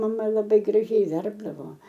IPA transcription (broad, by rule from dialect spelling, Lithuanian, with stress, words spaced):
mɐˈmɐ lˠɐˈbɐɪ ɡrɐˈʒʲɛɪ ˈʋʲɛrbdɐʋoː